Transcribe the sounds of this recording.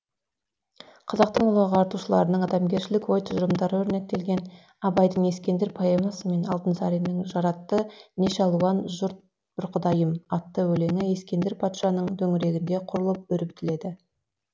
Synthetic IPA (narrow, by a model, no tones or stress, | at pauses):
qʰɑzɑq̚t̪əɴʊlˠɑʁəɑɾt̪uʃəlˠɑ̰ɾənəɴɑd̪ɑmɡʲe̞ɾʃɪlɪkwo̞jt̪ʰʊʒəɾəmd̪ɑɾɵɾne̞k̚t̪e̞lɡʲe̞n | ɑbɑjd̪əɴe̞skʲe̞nd̪ɪɾpʰoemɑsəme̞nɑlˠt̪ənsɑɾinɪŋʒɑɾɑt̪ːəneʃɑlˠuwɑnʒʊɾt̪̚ | bʊɾqʰəd̪ɑjəmɑt̪ːəwɵle̞ŋɪe̞skʲe̞nd̪ɪɾpʰɑt̪ʃɑnəɴd̪ʰɵŋɪɾe̞ɡʲɪnd̪e̞qʰʊɾəlˠəp̚ʏɾɪpt̪ɪle̞d̪ɪ